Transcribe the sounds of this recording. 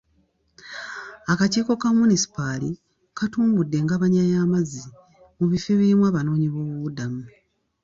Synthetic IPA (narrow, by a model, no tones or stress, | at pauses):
akaciːko̞kamunisi̥pali | katuːmbudːe̞ŋɡaβaɲajaːmazi | muβifeβiimwaːβano̞ːɲiβo̞ːβuβudamu